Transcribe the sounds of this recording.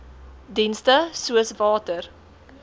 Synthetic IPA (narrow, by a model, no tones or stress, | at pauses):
dinstəsuəsvɑːtər